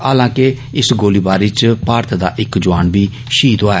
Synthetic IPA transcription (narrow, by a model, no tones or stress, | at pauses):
aːlãːke | ɪsɡoːliːbaːɾiːt͡ʃpaːɾt̪ʰd̪aːʔɪkd͡ʒʊaːnbiː | ʃiːd̪oaː